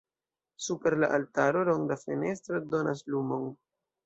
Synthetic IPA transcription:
supe̞ɾlaʔaltaɾo̞lo̞ŋdafene̞stɾodo̞naslumo̞n

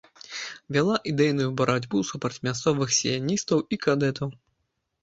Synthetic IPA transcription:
vʲalˠaʔid̪ɛjnujubɐɾad͡zʲbusupɾɐt͡sʲmʲast̪sɔvɨxsʲijanʲist̪ɐwikad̪ɛt̪ɐw

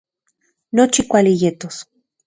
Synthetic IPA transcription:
not͡ʃikʷalijet̪os

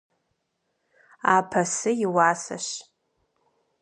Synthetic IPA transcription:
apʰɐsɨjiwaːsa̰ʃ

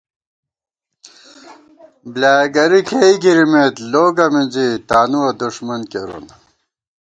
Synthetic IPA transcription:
blaːɡɐɾikʰeiɡiɾimet̪loːɡɐmind͡ʑit̪aːnuɐd̪uʂmɐnkeɾṵn

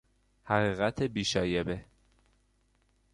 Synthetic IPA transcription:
hæɣiːɣæt̪ʰebiːʃɒːjebe

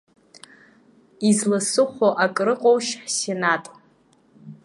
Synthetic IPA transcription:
izlɨsɨχʷoʔakʼrɨqʼowʃħsenatʼ

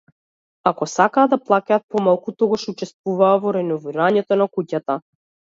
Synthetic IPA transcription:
akɔsakaːd̪aplˠakaːt̪̚pɔmalˠkut̪ɔɡaʃut͡ʃɛst̪vuvaːvɔɾɛnɔviɾaɲɛt̪ɔnakucat̪a

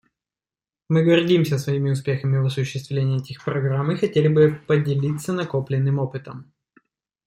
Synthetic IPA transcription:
mɨɡɐrdʲimsʲəsvɐimʲɪʊspʲe̞xəmʲɪvɐsʊɕːɪst̪vlʲenʲɪːɛtʲɪxpɾɐɡɾamɨxɐtʲelʲɪbɨpədʲɪlʲit̪sːənɐko̞plʲɪnːɨmo̞pɨt̪əm

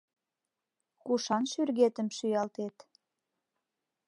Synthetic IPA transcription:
kuʃɑnʃyrɣet̪əmʃyjɑlt̪et̪

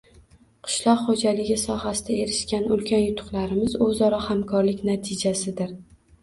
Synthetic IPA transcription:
qʰɨ̥ʃlˠɒqχod͡ʒalɪɡʲɪsɒhasɪd̪ae̞ɾɪʃkʲanʊlkʲʰanjʊt̪ʰʊ̥qlaɾɪmɪzɵzɒɾɒhamkʰɒɾlɪkʲnat̪ʰɪd͡ʒasɪd̪ɪɾ

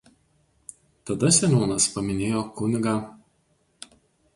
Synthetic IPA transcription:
t̪ɐd̪ɐsʲɛnʲoːnɐspɐmʲɪnʲeːjoːkʊnʲɪɡaː

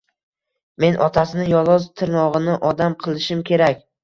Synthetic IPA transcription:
me̞nʔɒ̰t̪ʰasɪnɪjɒlˠɒzt̪ʰɪɾnɒʁɨnɪʔɒd̪amqʰɨlˠɪʃɪmkʲʰe̞ɾakʲ

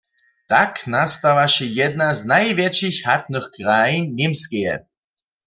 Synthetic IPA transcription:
t̪aknast̪avaʃɛjɛd̪̚naznajvjɛt͡ʃixhat̪̚nɨxkʁajinːɪmskɛjɛ̰

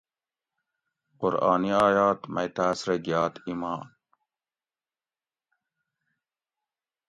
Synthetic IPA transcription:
qʊɾɑ̰ːniɑːjaːt̪mɐ̰jt̪aːsɾeɡijɑːt̪imɑːn

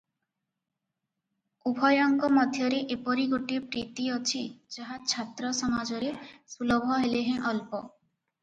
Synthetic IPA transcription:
ubʱɔjɔŋkɔmɔd̪ʱjɔɾeʔepɔɾiɡoʈipɾit̪iɔt͡ʃʰid͡ʒaɦat͡ʃʰat̪ɾɔsɔmad͡ʒɔɾesulɔbʱɔɦeleɦẽʔɔlpɔ

